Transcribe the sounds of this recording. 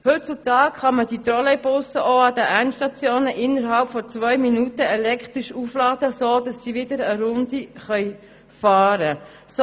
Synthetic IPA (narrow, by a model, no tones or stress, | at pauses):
hɵt̚t͡sut̪ɑːkχɑməd̥it̪ɾɔlɛbʊsəʔoɑd̪əʔænʃtɑt͡sjoːnəʔɪnːəɾɦɑlpfɔt͡sʋœʏminutəɛlɛkχt̪ʁiʃuflɑːd̥̪əsoːd̥ɑsːiːʋɪd̪əɾəɾʊnd̪iχœʏ | fɑːɾə | s